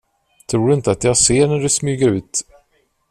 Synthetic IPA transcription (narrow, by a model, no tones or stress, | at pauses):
t̪ʰɾuːɖɵɪnt̪əat̪jɑːɡseːɳæɖɛsmyːɡəɾʉ̟ːt̪